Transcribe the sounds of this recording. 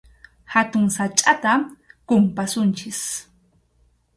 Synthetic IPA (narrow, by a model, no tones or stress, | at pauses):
hat̪ʊŋsat͡ʃʼat̪akʊmpasʊnt͡ʃɪs